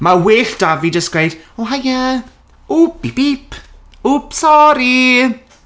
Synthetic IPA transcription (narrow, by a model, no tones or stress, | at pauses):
maweːɬd̥avidəskɾejd̥ | oɦaja | upibiːpʰ | upsɔɾi